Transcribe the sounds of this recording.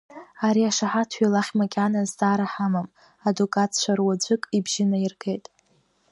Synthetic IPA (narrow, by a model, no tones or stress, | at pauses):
aɾiaʂaħatʰɥalaχʲmakʲʼanaztaːɾaħamam | adukʼat͡sʰt͡ʃʷarwad͡ʒʷɨkʼibʒɪnairɡe̞jtʼ